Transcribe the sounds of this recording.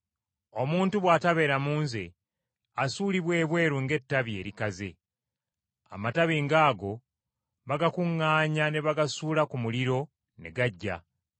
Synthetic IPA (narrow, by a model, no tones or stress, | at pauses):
o̞muːntuβwaːtaβe̞ːɾamuːnze̞̰ | asuːliβwe̞ːβwe̞ːɾuŋɡe̞tːaβje̞ːɾikaze̞̰ | a̰mataβiŋɡaːɡo̞ | βaɡakuŋːaːɲane̞βaɡasuːlakumuliɾo̞ | ne̞̰ɡaɟːa̰